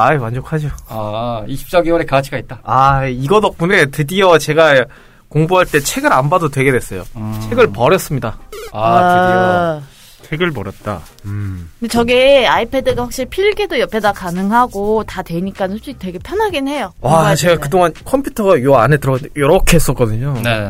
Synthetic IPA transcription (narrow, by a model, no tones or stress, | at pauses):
aemwand͡ʑokʰad͡ʑoaiɕʰi̥p̚t͡ɕ͈ʌɡiwʌɾekaɡat͡ɕʰiɡait̚t͈aaiɡʌdʌk̚p͈une̞tɯdiʌt͡ɕe̞ɡa | koŋbuɦaɭt͈e̞t͡ɕʰe̞ɡɯɾanbadotwe̞ɡe̞dwe̞s͈ʌjo̰t͡ɕʰe̞ɡɯɭpʌɾjʌs͈ɯmɲidaaa | t͡ɕʰeɡɯɭpʌɾjʌt̚t͈a̰ | kɯndet͡ɕʌɡeaipʰe̞dɯɡaɸwak̚ɕ͈iɭpʰiɾɡedojʌpʰe̞dakanɯŋɦaɡotatwe̞ɲik͈ansʰoɕ͈itwe̞ɡe̞pʰjʌnɦaɡene̞joat͡ɕe̞ɡakɯdoŋankʰʌmpʰjutʰʌɡajoanɦetɯɾʌjʌɾʌkʰe̞ɦes͈ʌk͈ʌdɯɲone